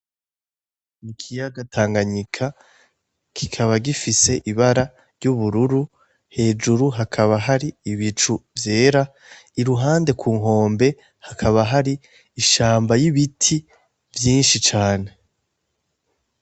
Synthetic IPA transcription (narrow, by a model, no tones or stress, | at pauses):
nikʰijaɡatʰaːŋɡaɲikʰa | kʰi̥kʰaβaɡifise̞ʔiβaɾa | ɾɟuβuɾuɾu | he̞ːd͡ʒuɾuɦakʰaβaɦaɾiːβit͡ʃuvje̞ːɾa | iɾuɦaːnde̞kʰuːŋɦo̞ːmbe̞ | hakʰaβaɦaɾiː | ʃaːmbajiβitʰi | vjiːnʃit͡ʃaːne̞